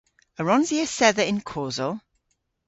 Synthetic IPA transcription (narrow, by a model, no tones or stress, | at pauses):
əɹɔ̃nziəsɛðəɪ̃nkʰoːzəlˠ